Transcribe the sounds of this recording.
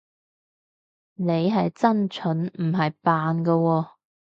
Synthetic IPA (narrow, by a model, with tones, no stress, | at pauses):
ne˨˧jɦɐ˨jt͡sɐ˥nt͡ʃʰɵ˨˥nm̩˨˩ɦɐ˨jpaː˨nɡɐ˧wɔː˧